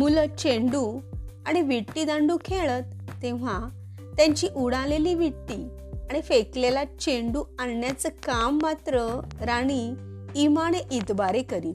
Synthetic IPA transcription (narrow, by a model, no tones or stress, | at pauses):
mulət͡ɕeɳɖuaɽ̃iʋiʈːiːd̪ãɳɖukʰeɭət̪̚ː | ẽʋ̤a | t̪jãɲt͡ɕiːʔuɽaleliːʋiʈːi | aɽ̃ifeklelat͡ɕeɳɖuanjat͡səkamːat̪ɾəɾaɽ̃iː | maɽ̃eʔid̪baɾekəɾiːl